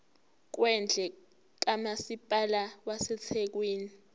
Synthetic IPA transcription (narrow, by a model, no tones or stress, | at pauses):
k̬wɛnd͡ɮʱɛ | k̬amasipʼalawasɛt͡sʰek̬weːni